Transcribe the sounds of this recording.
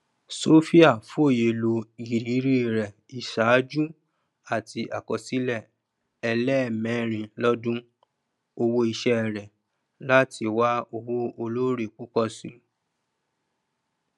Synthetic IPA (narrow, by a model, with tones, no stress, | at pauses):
so˦fi˦a˦˨fu˦o˦˨je˨lo˧i˨ɾi˨˦ɾi˦˨ɾɛ˨ | i˨ʃa˨˦d͡ʒu˦ | a˨ti˧ʔa˨kɔ˨si˦lɛ˦˨ | ɛ˧lɛ˦˨mɛ̃˨˦ɾ̃ĩ˧lɔ˦dũ˦ | o˧wo˧i˧ʃɛ˦˨ɾɛ˨ | la˦ti˧wa˦o˧wo˧o˧lo˦ɾe˦˨k͡pu˨˦kɔ˧˨sĩ˨